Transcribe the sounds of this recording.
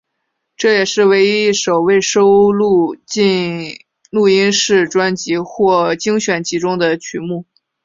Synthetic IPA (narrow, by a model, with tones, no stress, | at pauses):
ʈ͡ʂɤ˥˩jɛ˨˩ʂɻ̩˥˩˧we˧˥ɪi˥ʂo˨˩ʊwe˥˩ɪʂo˥ʊlu˥˧i˥˧ | lu˥˩i˥nʂɻ̩˥˩ʈ͡ʂwa˥nt͡ɕi˧˥xwɔ˥˩t͡ɕi˥ŋɕɥɛ˨˩nt͡ɕʰi˧˥ʈ͡ʂʊ˥ŋd̪ə˨t͡ɕʰy˧˥mu˥˩